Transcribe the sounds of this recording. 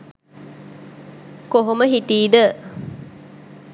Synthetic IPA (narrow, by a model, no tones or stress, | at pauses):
koɦoməɦiʈiːd̪ə